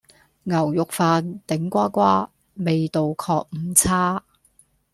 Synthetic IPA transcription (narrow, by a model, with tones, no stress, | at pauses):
ŋɐ˨˩wjʊ˨k̚faː˨˧nt̪ɪ˨˥ŋkʷaː˥kʷaː˥ | me˨jt̪o˨wkʰɔː˧k̚m̩˨˧t͡sʰaː˥